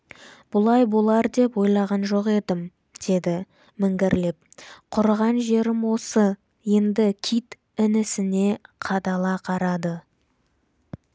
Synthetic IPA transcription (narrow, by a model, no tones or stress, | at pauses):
b̥ʊlˠɑjbolˠɑɾd̪e̞pwo̞jlˠɑʁɑnʒo̞qe̞d̪ɪm | d̪̥e̞d̪ɪ | mɪŋɡʲɪɾlep̚qʰʊɾʁɑnʒe̞ɾɪmwo̞sə | je̞nd̪ɪkʲʰijt̪ | ɪnɪsɪne̞qʰɑd̪ɑlˠɑqʰɑɾɑd̪ə